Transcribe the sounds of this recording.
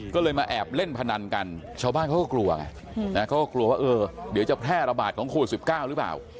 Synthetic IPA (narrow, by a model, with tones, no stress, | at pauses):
kɔː˥˩lɤː˧jmaː˧ʔɛː˨˩p̚le˥˩npʰa˧na˧ŋka˧nt͡ɕʰaː˧wbaː˥˩nkʰa˥˩kɔ˥˩klu˧ɐka̰˧˩ | na˦˥kʰa˦˥˩wkɔː˥˩k̚lu˧ɐwaː˥˩ʔɤː˧di˩˦wt͡ɕa˨˩pʰɾɛː˥˩ɾa˧baː˨˩t̪̚kʰɔː˩˦ŋkʰoː˨˧˨t̪̚si˨˩p̚kaː˥˩wɾɯː˨˦pla̰ː˨˩w